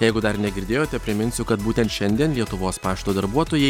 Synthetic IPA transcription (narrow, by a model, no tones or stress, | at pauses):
jɛɪɡʊd̪ɐɾnʲɛɡʲɪɾʲd̪ʲeːjoːt̪ʲɛpʲɾʲɪmʲɪnʲsʲʊkɐt̪buːt̪ʲɛnt̪ʃʲɛnʲd̪ʲiɛnlʲiɛt̪ʊʋoːspɑːʃt̪oːd̪ɐɾbuɔt̪oːjɛɪ